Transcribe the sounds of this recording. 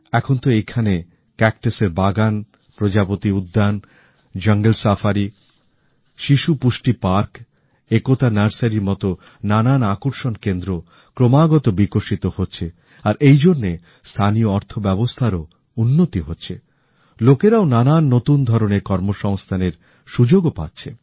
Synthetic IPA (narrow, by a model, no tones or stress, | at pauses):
ɛkʰont̪oekʰane | kɛk̚ʈeseɾbaɡan | pɾod͡ʑapot̪iud̪ːan | d͡ʑəŋɡelsafʰaɾi | ʃiʃupuʃʈipaɾk | ekot̪anaɾsaɾiɾmɔt̪o | nananakuɾʃonkend̪ɾo | kɾomaɡɔt̪obikoʃit̪ohotːɕʰe | aɾʔejd͡ʑonːe | st̪ʰanioɔɾt̪ʰobɛbost̪ʰaɾo | unːot̪iɦotːɕʰe | lokeɾaonananːot̪und̪ʱɔɾonekɔɾmoʃɔŋst̪ʰaneɾ | ʃud͡ʑoɡopat̪ːɕʰe